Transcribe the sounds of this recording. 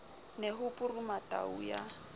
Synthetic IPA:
neɦʊpʼʊrʊmatʼa̰ṵja

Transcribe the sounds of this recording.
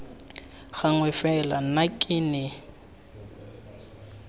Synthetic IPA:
ɣaŋwɛfɛla̰nakʼɪnɪ

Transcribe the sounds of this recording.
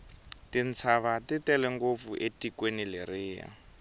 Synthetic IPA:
tin̩t͡sʰaβatitɛlɛŋɡop̪fuʔetikwenilɪrɪːja̰

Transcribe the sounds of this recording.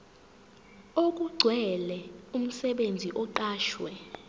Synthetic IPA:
ok̬ʼuɡ͡ǀʱwɛlɛum̩sɛɓend͡zʱiʔɔǃaːʃwɛ

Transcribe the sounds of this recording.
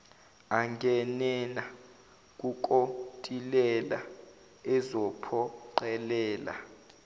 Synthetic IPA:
aŋɡʱɛnɛna | k̬ʼuk̬ʼotʼilɛla̰ | ɛzɔpʰɔǃɛlɛːla̰

